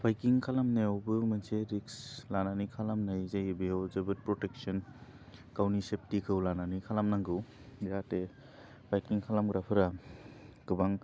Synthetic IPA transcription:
bajkiŋkʰalamneɔwbɯmɯnseɾikslananikʰalamnajzajɯbiɔwzɯbɯt̚pɾɔtek̚sɯn | kawnisep̚tikʰɯwlananikʰalamnaŋɡɯw | iɾate | b̥ajkiŋkʰalamɡɾapʰɯɾa | ɡ̥ɯbaŋ

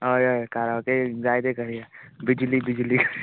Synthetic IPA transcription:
ojokaːɾaked͡ʒaːɪd̪ekəɾiabɪd͡ʒlibɪd͡ʒlik

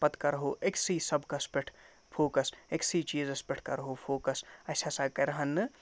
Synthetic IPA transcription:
pɐt̪kaɾɦoːʔeksiːsɐbkaspeʈʰ | pʰoːkɐseksit͡ʃiːzɐspɪʈʰkɐ̰ɾɦoːpʰoːkɐsɐsʰaːsaːkɐɾɐɦɐnːɨ

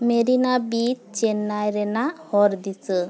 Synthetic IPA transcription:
meɾinabit̪̚t͡ʃɛnːajɾɛnahɔɾd̪it͡sə

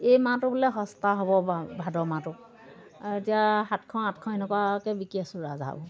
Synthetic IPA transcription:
ejmãtʊbulɛɦɔstaɦobɔbʱadɔmãtʊ | aetijaɦatkʰɔ̃atkʰɔ̃jnɔkwakɛbikiasʊɹa̰za̰b

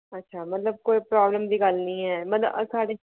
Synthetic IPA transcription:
ətːʃʰaːmɐt̪ləb̚koːipɾaːbləmd̪iːɡəlnĩːɦɛːmɐt̪lə̰ə̰saːɖeː

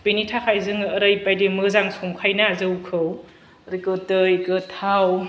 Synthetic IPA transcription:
penitʰakʰajzɯŋːɾɯjpajdemɯzaŋsoŋkʰajnaːzɯwkʰɯw | ɾikɯtɯjkɯtʰaw

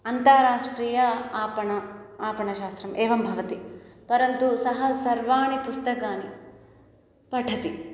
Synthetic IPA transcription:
ɐnt̪aːɾaːʂʈɾiːjɐaːpɐɳɐaːpɐɳɐʃaːst̪ɾɐmʔeːʋɐmbʱɐʋɐt̪ipɐɾɐnt̪usɐɦɐsɐɾʋaːɳipust̪ɐkaːni | pɐʈʰːɐt̪i

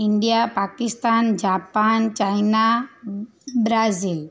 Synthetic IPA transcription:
iɳɖijapakist̪and͡ʒapant͡ʃajna | bɾazil

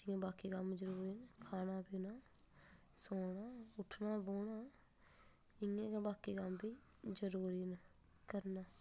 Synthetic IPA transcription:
d͡ʒɪãːbaːkiːkəmd͡ʒəɾuːɾiːnəkʰaːnaːbiːnaː | soːɽaːʊʈʰnaːboːɳaː | ɪŋẽːkãbaːkiːkəmbiːd͡ʒəɾuːɾiːnə | kəɾnaː

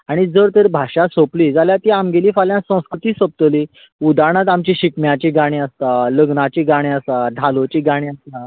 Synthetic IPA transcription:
aɽ̃id͡zəɾt̪eɾbʱaɕasopliːd͡zaljat̪iamɡeliːfaljãsə̃w̃skɾut̪iːsəp̚t̪əliː | ud̪ʱaɽ̃at̪̬amt͡ɕiɕikmjat͡ɕiɡaɽ̃ĩəst̪aləɡnat͡ɕiɡaɽ̃iəst̪ad̪ʱalot͡ɕiɡaɽ̃ĩəst̪a

